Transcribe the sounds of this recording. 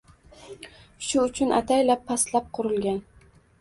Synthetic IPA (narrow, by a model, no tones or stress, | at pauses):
ʃʊʊt͡ʃʰʊnʔa̰t̪ʰajlapʰːaslap̚qʰʊɾɪlɡʲan